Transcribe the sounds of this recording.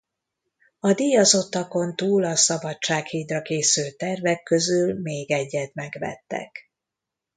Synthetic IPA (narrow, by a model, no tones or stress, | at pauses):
ɒd̪ijɒzo̞t̪ːɒko̞nt̪uːlɒsɒbɒt͡ʃaːkhiːd̪rɒkeːsylt̪ɛrvɛkːø̞zylmeːɡɛɟːɛt̪mɛɡʋɛ̰t̪ːɛ̰k